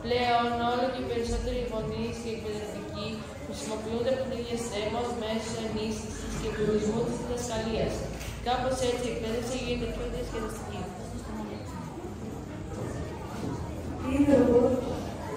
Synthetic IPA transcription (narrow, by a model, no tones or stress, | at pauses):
ple̞o̞no̞loceipe̞ɾiso̞t̪e̞ɾipo̞nisceek̚peðɾet̪ici | xɾisimo̞piund̪eɐpot̪iest̪emɐozme̞sosoenist̪isiscekoɾizmut̪izðiðɐskɐliɐs | kɐpo̞setie̞k̚pe̞ðefsiʝend̪ipʰçioðiɐsçeðist̪ici | t̪iðeu